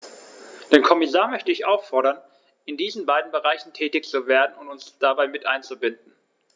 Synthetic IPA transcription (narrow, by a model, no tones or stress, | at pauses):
d̥eːnkʰɔmɪsaːɐmœçtəɪçʔaʊfɔɐɾɐn | ɪndiːzn̩baɪdn̩bəʁaɪçn̩tʰɛːtɪçt͡suveːɐdn̩ʊntʊnsd̥abaɪmɪtʔa̰ɪnt͡subɪnd̚n̩